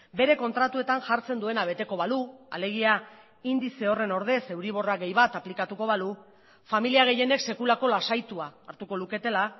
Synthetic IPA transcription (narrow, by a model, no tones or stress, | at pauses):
be̞ɾe̞ko̞nt̪ɾat̪ue̞t̪anʝaɾt͡se̞nd̪ue̞naβ̞e̞t̪e̞ko̞βalua̰le̞ɣ̞ia | ind̪ise̞o̞re̞no̞ɾð̞e̞se̞wɾiβ̞o̞raɣe̞jβ̞at̪aplikat̪uko̞βalu | familiaɣ̞e̞je̞ne̞kse̞kulako̞lasajt̪uaːɾt̪uko̞luke̞t̪e̞la